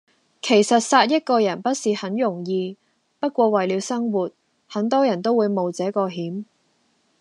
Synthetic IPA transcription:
kʰe˨˩jsɐ˨t̚saː˧t̚jɐ˥t̚kɔː˧jɐ˨˩npɐ˥t̚siː˨hɐ˨˥njʊ˨˩ŋjiː˧ | pɐ˥t̚kʷwɔː˧wɐ˨jliː˨˧wsɐ˥ŋwuː˨t̚ | hɐ˨˥ŋt̪ɔː˥jɐ˨˩nt̪o˥wuː˨˧jmo˨wt͡sɛː˨˥kɔː˧ɦiː˨˥m

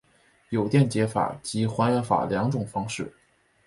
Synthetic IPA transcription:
jo˨˩ʊt̪jɛ˥˩nt͡ɕjɛ˧˥fa̰˨˩t͡ɕi˧˥xwa˧˥nɥɛ˧˥nfa̰˨˩ljɑ˧˥ŋʈ͡ʂʊ˨˩ŋfɑ˥ŋʂɻ̩˥˩

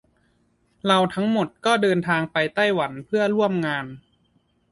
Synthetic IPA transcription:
ɾa˧wt̪ʰa˦˥ŋmo˨˩t̪̚kɔː˥˩dɤː˧nt̪ʰaː˧ŋpa˧jt̪a˥˩jwa˩˦npʰɯ˥˩ɐɾu˥˩əmŋaː˧n

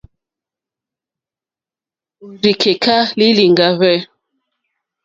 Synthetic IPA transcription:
u˨ɾi˨kʰe˨kʰa˦li˦li˨ŋɡa˨vɛ˦

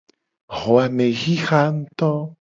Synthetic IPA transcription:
ho˨a˧ne˨xi˦xa˦nt̪o˦

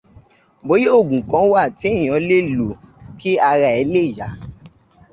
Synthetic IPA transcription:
bo˨˦je˦o˦˨ɡũ˨kã˨˦wa˦˨tĩ˨˦˨ã˨˧˦le˦lo˨ki˦a˧ɾa˧˦ɛ˨˧˦le˦˨ja˨˦

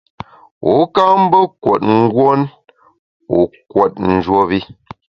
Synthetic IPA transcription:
u˨˦ka˦m̩˦bə˦kwɔ̰˨t̚ŋ̩˦ɡwo˦n | ṵ˨˦kwɔ˨t̚n̩˨d͡ʒwo˦βi˦

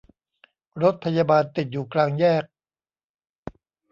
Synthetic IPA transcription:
ɾo˦˥t̪̚pʰa˧jaː˧baː˧nt̪i˨˩t̪̚juː˨˩klaː˧ŋjɛː˥˩k̚

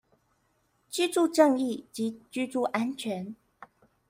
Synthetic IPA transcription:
t͡ɕy˥ʈ͡ʂu˥˧ʈ͡ʂɤ˥˧ŋi˥˩t͡ɕi˧˥t͡ɕy˥ʈ͡ʂu˥˩ʔa˥nt͡ɕʰɥɛ˧˥n

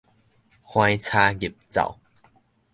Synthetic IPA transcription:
hw̃ã˧jt͡sʰa˧ɡi˨˩p̚t͡sa̰˨˩˨w

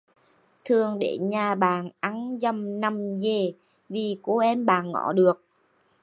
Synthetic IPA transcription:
t̪ʰɨ˨˩əŋɗe˧˩ɲaː˨˩ɓaː˨˩nʔa˧˥nzə˨˩mna˨˩mze˨˩ | vi˨˩ko˧˦ʔɛ˧mɓaː˨˩nŋɔ̰˧˩˦ɗɨ˨˩ək̚

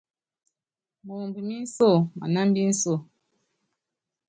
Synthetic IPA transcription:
mo˨mbu˨mi˦n̩˦sɔ˦˨ma̰˨na˦m˦bi˦n̩˦sɔ˦˨

